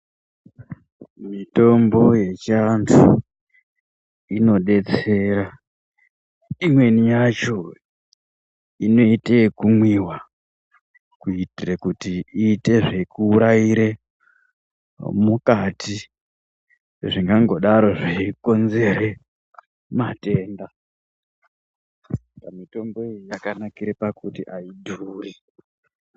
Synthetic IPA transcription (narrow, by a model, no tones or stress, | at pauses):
mito̞mbo̞je̞t͡ʃantʰu | ino̞ɗe̞t͡se̞ɾa | imwe̞nijat͡ʃo̞ | ino̞itekumwiwa | kuitirekutiiːte̞ʐe̞kuːɾaiɾe̞ | mukatʰi | ʐiŋɡaŋɡo̞ɗaɾo̞ʐiiko̞nze̞ɾe | mate̞ːnda | pamito̞mbo̞ejijakanakiɾepakutiʔaidʱuːri